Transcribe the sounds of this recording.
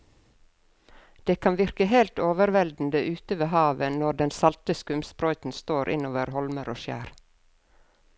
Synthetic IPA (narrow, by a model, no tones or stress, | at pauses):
d̪̥eːkʰɑnʋɪɾkəɦelt̪oːʋəɾʋɛld̪n̩d̪əʔʉːt̪əʋeːɦɑːʋənɔɖɛnsɑlt̪əskʉmspɾɔʏt̪n̩st̪oːɾʔɪ̰noːʋəɾhɔlməɾo̰ːʃjæ̰ːɾ